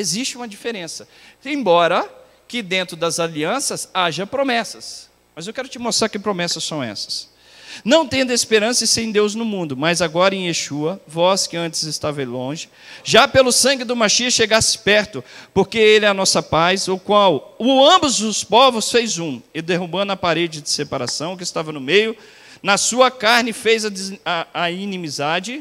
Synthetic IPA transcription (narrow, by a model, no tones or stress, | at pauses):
ezist͡ʃɪũmɐd͡ʒifeɾẽsɐẽj̃bɔɾɐ | kɪd̪ẽnt̪ɾʊd̪ɐzaliɐ̃sɐzaʒɐpɾomɛsɐs | mɐzewkɛɾʊt͡ʃɪmost̪ɾaɾkɪpɾomɛsɐsːɐ̃w̃ɛ̰sɐ̥s | nɐ̃w̃t̪ẽnd̪ɐespeɾɐ̃sɐɪsẽj̃d̪ewznʊmũnd̪ʊmɐzaɡɔɾɐẽj̃eʃuɐvɔskɪɐ̃nt͡ʃɪzɪst̪avɐlõʒɪ | ʒapelʊsɐ̃ŋɡɪd̪ʊmaʃiɐʃeɡasɪ̥pɛɾt̪ʊpoɾkeelɛɐnɔsɐpazʊkwawʊɐ̃mbʊzd̪ʊspovʊsfejzũɪd̪eɦũbɐ̃nd̪ʊɐpaɾed͡ʒɪd͡ʒ̪ɪsepaɾasɐ̃w̃k̬ɪst̪avɐnʊmejʊ | nɐsuɐkaɾnɪfejzɐː | inĩmizad͡ʒɪ